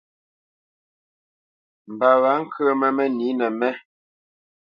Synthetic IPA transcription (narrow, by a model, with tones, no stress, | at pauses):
m̩˨ba˨wa˨˦ŋ̩˦kʰə˦mɛ˦˨mɛ˦ni˨˦nɛ˨mɛ˦